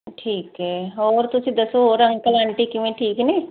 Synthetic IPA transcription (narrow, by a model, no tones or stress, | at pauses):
ʈʰiːkɦɛːɔːɾt̪ʊsĩd̪əsoɦoːɾə̃ŋɡkəlaːɳʈikɪʋẽʈʰiːknẽː